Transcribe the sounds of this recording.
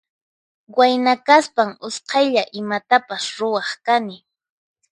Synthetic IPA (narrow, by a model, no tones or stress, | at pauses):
wajnakaspaŋʊsqɑjʎaʔɪmat̪apasɾʊwɑχkanɪ